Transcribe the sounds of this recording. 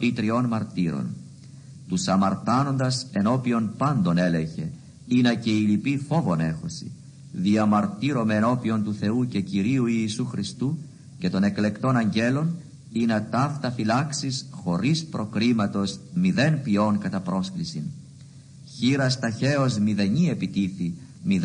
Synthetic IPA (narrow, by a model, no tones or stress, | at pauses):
it̪ɾio̞nmɐɾt̪iɾo̞̰n | t̪usɐmɐɾt̪ɐno̞nd̪ɐse̞no̞pio̞npɐnd̪o̞ne̞le̞çe̞ | inɐce̞ilipifo̞vo̞ne̞xo̞sḭ | ðiɐmɐɾt̪iɾo̞me̞ːno̞pio̞nt̪uθe̞uce̞ciɾiuiːsuxɾist̪u | ce̞t̪o̞ne̞kle̞kt̪o̞nɐɲɟe̞lo̞n | inɐt̪ɐft̪ɐfilɐksisxo̞ɾispɾo̞kɾimɐt̪o̞zmiðe̞npio̞ŋkɐt̪ɐpɾo̞sklisin | çiɾɐst̪ɐçe̞o̞zmiðe̞ɲie̞pit̪iθimið